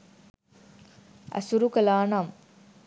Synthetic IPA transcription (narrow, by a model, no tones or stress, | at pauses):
ʔæ̰suɾukəlaːnam